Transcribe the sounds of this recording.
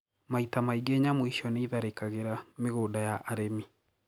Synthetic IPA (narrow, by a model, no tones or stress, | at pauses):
maitamaiɡeɲamwiʃɔneiðaɾekaɣeɾameɣoːdajaʔːɾemi